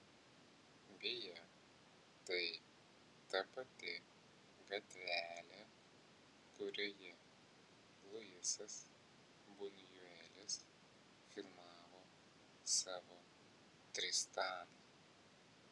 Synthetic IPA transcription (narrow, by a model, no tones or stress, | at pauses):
bʲɪjɛ | t̪ɐɪ | t̪ɐpɐt̪ʲɪ | ɡɐt̪ʲʋʲæːlʲɛ | kʊɾʲoːjɛ | lˠʊjɪsɐs | bʊnjʊɛlʲɪs | fʲɪɾmɑːʋoː | sɑːʋo | t̪ʲɾʲɪst̪ɑːnɐ